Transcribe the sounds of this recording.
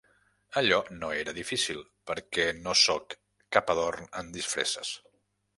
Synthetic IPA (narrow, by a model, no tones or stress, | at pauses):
əʎɔnoeɾəðifisilˠpəɾkɛnosokː | apəðornə̰nd̪isfɾḛsə̰s